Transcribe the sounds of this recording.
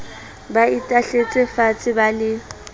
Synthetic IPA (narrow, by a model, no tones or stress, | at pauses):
baitʼaɬet͡sʼɪfat͡sʼɪbalɪ